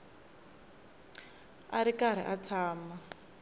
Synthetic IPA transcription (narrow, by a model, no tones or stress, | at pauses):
aɾikaɾ̤ḭʔat͡sʰaːma